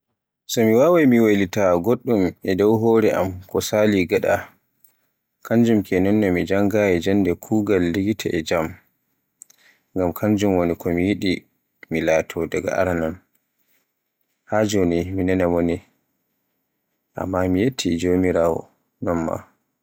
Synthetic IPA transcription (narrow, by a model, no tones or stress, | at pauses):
sɔmiwaːwajmiwalitaɡoɗːumɛdɔwɦɔɾɛʔa̰mkɔsaːliɡaɗa | kʰaɲd͡ʒumkʰɛnɔnːɛmid͡ʒaŋɡajɛd͡ʒandɛkʰuːɡalːiɡitʰaʔɛd͡ʒam | ŋɡamkʰaɲd͡ʒumwonikɔmijiɗi | milaːtʰɔdaɡa̰ʔa̰ɾanan | had͡ʒoniminɛnamoni | ʔa̰mːamijetʰːid͡ʒomiɾaːwɔ̰ | nɔnma̰